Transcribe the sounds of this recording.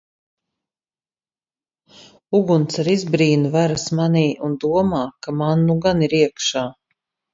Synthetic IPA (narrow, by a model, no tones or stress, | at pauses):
uɡunt̪saɾizbɾiːnuvaɾasmaniːʔund̪uɔmaːkamanːuɡaniɾiɛkʃaː